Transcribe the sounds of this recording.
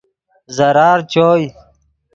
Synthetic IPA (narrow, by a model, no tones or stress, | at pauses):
zəɾaːɾt͡ɕoːj